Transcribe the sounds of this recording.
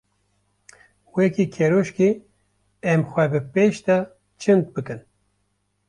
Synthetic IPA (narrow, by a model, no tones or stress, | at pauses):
wɛkiːkʰeɾoʃki | ɛmxʷɛbɨpeʃt̪a | t͡ʃʰɨnd̪̚bɨkɨn